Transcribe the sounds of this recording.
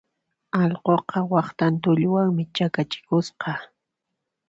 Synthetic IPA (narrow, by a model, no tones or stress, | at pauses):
ɑʎqoqɑwɑχt̪ant̪̬ʊʎwaŋmɪt͡ʃakat͡ʃɪ̥kʊsqɑ